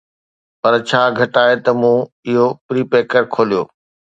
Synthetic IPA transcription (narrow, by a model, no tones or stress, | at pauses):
pɐɾt͡ɕʰaːɡʱɐʈaːɦet̪ɐmũː | ɪɦopɾiːpeːkəɾkʰoːlijoː